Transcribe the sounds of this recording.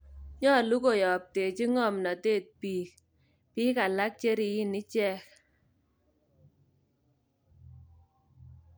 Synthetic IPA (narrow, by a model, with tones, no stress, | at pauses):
ɲɔ˦˨lu˦ko˨jɔ˨p̚te˨t͡ʃi˦ŋɔ˦˨mna˨te˦˨t̚piː˨k̚ | pi˦ka˨la˦k̚t͡ʃe˦ɾi˨ji˦ni˦t͡ʃɛ˦˨k